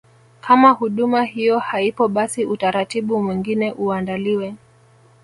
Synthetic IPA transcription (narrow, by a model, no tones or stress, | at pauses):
kʰamahuɗumahijɔhaipɔɓasiʔutaɾatiɓumwiŋɡinɛʔuandaliwɛ